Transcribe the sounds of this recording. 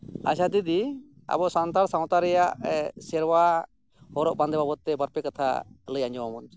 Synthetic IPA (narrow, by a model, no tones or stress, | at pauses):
a̰sat̪id̪i | a̰bɔʔsant̪aɽsaw̃t̪aɾɛjaʔsɛɾwa | hɔɾɔʔband̪ɛbabɔt̪ːɛbaɾpɛkat̪ʰa̰ləjaɲd͡ʒɔwamɔn